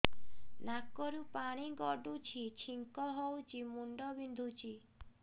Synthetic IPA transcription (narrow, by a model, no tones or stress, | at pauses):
nakɔɾupaɽ̃iɡɔɖut͡ʃʰit͡ʃʰiŋkɔɦowt͡ʃʰimuɳɖɔbind̪ʱut͡ʃʰi